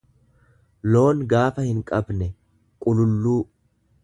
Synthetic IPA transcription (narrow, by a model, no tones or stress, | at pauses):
lo̞ːŋɡaːfɐhɪŋkʼɐbnɛ | kʼʊlʊlːuː